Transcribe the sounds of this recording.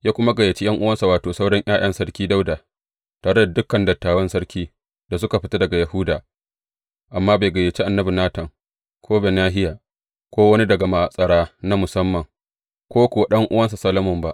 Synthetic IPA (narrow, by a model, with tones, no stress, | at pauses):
jaː˦kʷʊ˦ma˦ɡɐ˨je˨t͡ʃi˦jʔɐ˦ŋʔʊ˦wɐ˦nsa˨waː˨toː˨sa˦wɽɐ˦ɲʔaː˦j̰ɐ˦nsɐ˦ɽkʲiː˦da˦wdaː˨ | taː˨ɽe˦da˨dʊ˦kːɐ˨ndɐ˨tːaː˨wɐ˦nsɐ˦ɽkʲiː˦ | da˨s̬ʊ˦ka˨ɸɪ˦ta˦dɐ˨ɡa˨jɐ˨hʊː˦daː˨ | ʔa˨mːaː˦baː˨ɡɐ˨je˨t͡ʃi˦ʔa˨nːɐ˦bi˨naː˦tɐ˨ŋ | kʰoː˦beː˨naː˦ɦɪ˦jaː˨ | kʷoː˦wɐ˦ni˦dɐ˨ɡa˨ma˨sʼɐ˨ɽaː˦na˦mʊ˨sɐ˦mːɐ˨ŋ | kʷoː˦kʷʊ˦wa˦ɗɐ˦ŋʔʊ˦wɐ˦nsa˨sɐ˦lɐ˦mʊ˨mba˦ʔ